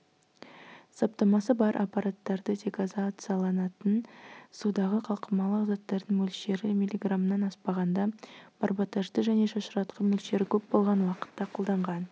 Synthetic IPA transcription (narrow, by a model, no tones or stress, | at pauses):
sop̚t̪ɑmɑsəbɑɾʔɑ̰pːɑɾat̪ːɑɾd̪əd̪ʲekazat̪sɨjɑlˠɑnɑt̪ənsud̪ɑʁəqʰɑlˠqʰəmɑlˠəqzɑt̪ːɑɾd̪əɴmɵlʃe̞ɾɪmʲilʲːiɡramənɑnɑspɑʁɑnd̪ɑb̥ɑɾbɑt̪ɑʒd̪əʒæne̞ʃɑʃəɾɑt̪qɑmɵlʃe̞ɾɪkʲʰɵpbo̞lˠʁɑnwɑqə̥t̪ːɑqʰolˠd̪ɑɴʁɑn